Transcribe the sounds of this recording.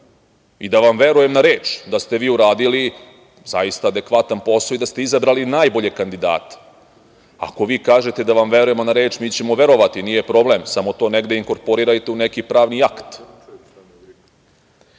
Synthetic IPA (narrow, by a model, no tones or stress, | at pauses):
id̪aʋamʋe̞ɾuje̞mnaɾe̞ːt͡ʃd̪ast̪e̞ʋiːuɾaːd̪ili | zajist̪aːd̪e̞kʋat̪anpo̞said̪ast̪e̞izabɾalinaːjbo̞ʎe̞kand̪id̪a̰ːt̪e̥ | a̰ko̞ʋiːkaːʒe̞t̪ed̪aʋamʋe̞ɾuje̞mo̞naɾe̞ːt͡ʃmiːt͡ɕe̞mo̞ʋe̞ɾo̞ʋat̪iniːjepɾo̞ble̞msamo̞t̪o̞ːne̞ɡd̪eiŋko̞ɾpo̞ɾiɾajt̪eune̞kipɾaːʋniakt̪